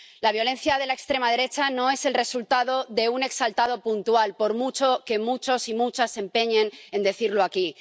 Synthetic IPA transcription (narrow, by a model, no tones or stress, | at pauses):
laβjo̞le̞nθjað̞e̞laekst̪ɾe̞mað̞e̞ɾe̞t͡ʃano̞e̞se̞lre̞sult̪aðo̞ðe̞une̞ksalt̪að̞o̞punt̪ualpo̞ɾmut͡ʃoke̞mut͡ʃo̞simut͡ʃase̞mpe̞ɲẽ̞ne̞nd̪e̞θiɾloaki